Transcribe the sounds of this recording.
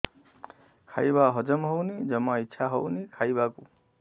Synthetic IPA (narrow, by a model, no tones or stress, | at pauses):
kʰajbaɦʌd͡ʒʌmɦownid͡ʒʌmaitːʃʰaɦʌwnikʰajbaku